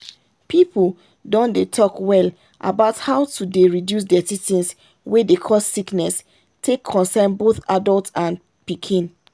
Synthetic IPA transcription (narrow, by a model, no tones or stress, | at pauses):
pʰipʰl | dɔ̃ndetʰɔkwɛl | ʔa̰baʊthaʊtʰudeɹidjus̬dɛtitĩns | wedekʰɔsːiknɛs | tʰekʰːɔ̃nsɛnboθadɔltãn | pikʰĩn